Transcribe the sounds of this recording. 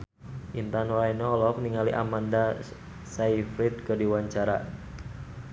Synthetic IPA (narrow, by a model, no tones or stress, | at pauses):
ʔint̪anɔɾajnɔɔlɔk̚niŋaliʔa̰manda | saifɾit̪̚kɨrdiwaɲt͡ʃaɾa̰